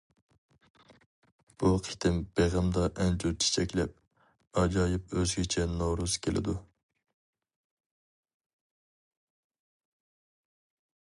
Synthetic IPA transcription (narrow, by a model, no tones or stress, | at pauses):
b̥uqʰi̥t̪ʰɪmbeʁɨmd̪ɑʔɛnd͡ʒut͡ʃʰe̥t͡ʃʰɛkʲlɛp̚ | ɑd͡ʒɑːjip̚øzɡʲɪt͡ʃʰɛnoɾuz̥kʲʰelʔɪ̰d̪u